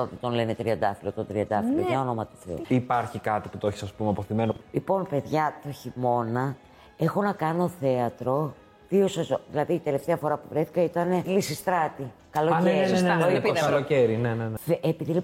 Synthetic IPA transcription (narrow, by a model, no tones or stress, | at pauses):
ot̪it̪o̞nlenet̪ɾiɐnd̪ɐfilot̪ot̪ɾiɐnd̪ɐfilopeðjɐo̞nomɐt̪u̥θeoipɐɾçikɐt̪iput̪oeçi̥sɐspumeɐpoθimenolipo̞npe̞ðʝɐt̪oçimo̞nɐ | e̞xo̞nɐkɐno̞θe̞ɐt̪ɾo̞ | ðio̞sɐsðilɐðiːt̪e̞le̞ft̪eɐfo̞ɾɐpuvɾeθi̥kɐit̪ɐne̞lisist̪ɾɐt̪i | kɐloeɾpɐloceɾinenenʔepiðili